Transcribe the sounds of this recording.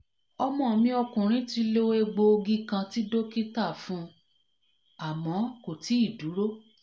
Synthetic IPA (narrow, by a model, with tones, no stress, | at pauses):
ɔ˧mɔ̃˨mĩ˧˦ɔ˧kũ˨ɾ̃ĩ˦ti˧lo˦we˦ɡ͡bo˧o˧ɡi˦kã˧ti˦do˦ki˦ta˦˨fũ˦ | a˨mɔ̃˨˦ko˨ti˨˦i˦˨du˨˦ɾo˦